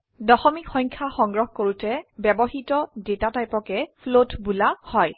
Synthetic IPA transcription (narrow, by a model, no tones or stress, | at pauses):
dɔxɔmikxɔjɲkʰaxɔŋɡɹɔxkoɹutɛbɛbɔɦitɔdetatajpɔkɛpʰlotbulahɔj